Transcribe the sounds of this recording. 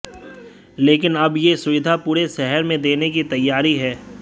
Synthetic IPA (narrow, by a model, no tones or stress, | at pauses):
leːkɪnɐbjesʊʋɪd̪ʱapuːɾeʃɛɦɛɾmẽd̪eːnek̬it̪ɐjːaːɾiɦɛː